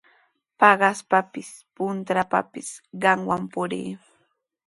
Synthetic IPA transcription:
pɑɢɑspapɪs | pʊnt̪ɾapa̰pɪsɢɑŋwampʊɾḭː

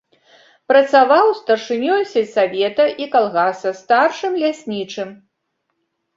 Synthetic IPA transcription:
pɾɐt̪savawst̪ɐrʂɨnʲɔjsʲɛsavʲɛt̪ɐʔikalˠɣasɐst̪arʂɨmlʲasʲnʲit͡ʂɨm

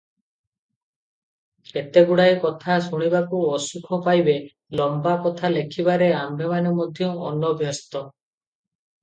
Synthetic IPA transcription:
et̪eɡuɽaekɔt̪ʰasuɽ̃ibakuɔsukʰɔpajbe | lɔmbakɔt̪ʰalekʰibaɾeamemanemɔd̪ʱjɔɔnɔbʱjɔst̪ɔ

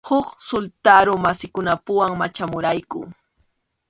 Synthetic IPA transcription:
hʊksʊlt̪aɾʊmasɪkʊnapʊwaŋmat͡ʃamʊɾajkʊ̰

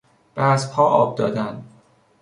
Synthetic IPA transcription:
b̥æzpʰɒːʔɒːb̚d̪ɒːd̪ænd̪

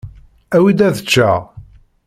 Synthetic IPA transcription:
æwid̪æðət͡ʃːæ̰ʁ

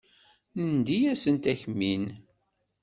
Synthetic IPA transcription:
nənd̪ijæsənt̪æçmin

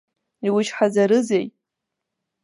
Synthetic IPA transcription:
iwʊt͡ʃħazaɾɨzej

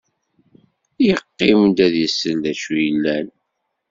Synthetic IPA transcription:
jəqːɪmd̪æðjəsəld̪æʃujəlːæn

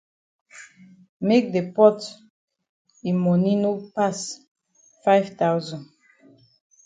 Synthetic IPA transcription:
mek̚depɔt | ĩmɔnĩnopas | faɪvtawzɔ̃n

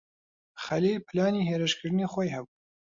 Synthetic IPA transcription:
χɐlilplaːniɦeːɾɨʃkʰɨɾd̪ɨniχoːjhɐbu

